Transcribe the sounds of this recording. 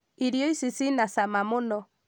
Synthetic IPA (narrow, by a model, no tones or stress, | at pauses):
iɾjɔisisinasamamonɔ